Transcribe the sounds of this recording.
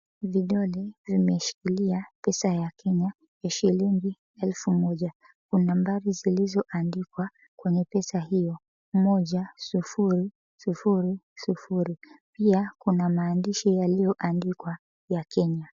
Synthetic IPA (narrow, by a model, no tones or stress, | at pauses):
viɗɔlɛvimɛʃi̥kiliapɛsajakɛɲa | jaʃiliŋɡi | ɛlfumɔʄa | kunambaɾizilizɔʔandikwa | kwɛɲɛpɛsahijɔ | mɔʄasufuɾi | sufuɾisufuɾipiakunamaːndiʃijalijɔʔandikwa | jakʰɛɲa